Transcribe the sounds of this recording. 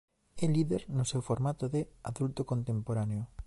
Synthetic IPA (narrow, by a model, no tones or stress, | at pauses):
ɛliðeɾnʊsewfoɾmat̪oðeaðult̪okõnt̪empoɾaneo